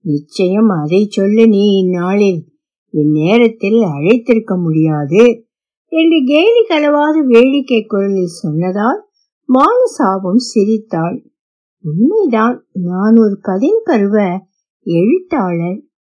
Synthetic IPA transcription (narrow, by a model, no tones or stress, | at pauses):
nɪt͡ʃːɐjɐmɐðɐɪt͡ʃːɔlːɯniːɪnːaːɭɪl | ɪnːeːɾɐt̪ːɪlɐɻɐɪt̪ːɪɾɯkːɐmʊɽɪjaːðɯ | ɛndrɯɡeːlikɐlɐʋaːɣɐʋeːɻɪkːɐɪkːɔɾɐlɪlsɔnːɐðaːl | maːnɐsaːbɐmsɪɾɪt̪ːaːɭ | ʊnmɐɪðaːnnaːnɔɾɯkɐðɪnpɐɾɯʋɐ | ɛɻɯt̪ːaːɭɐɾ